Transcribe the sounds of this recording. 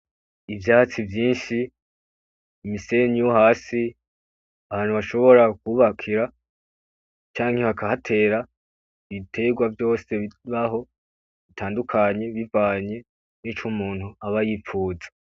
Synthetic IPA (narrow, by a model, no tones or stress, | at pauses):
ivjaːt͡sivjiːnʃi | mise̞ɲijoɦaːsi | aβaːn̥huβaʃo̞βo̞ɾakuːβakʰiɾa | t͡ʃaːŋhe̞βakahatʰe̞ːɾa | βitʰe̞ɡwavjo̞ːse̞βaɦo̞ | βitʰaːndukʰaɲe̞βivaːɲe̞ | nit͡ʃumuːn̥huaβajip͡ffuːzḁ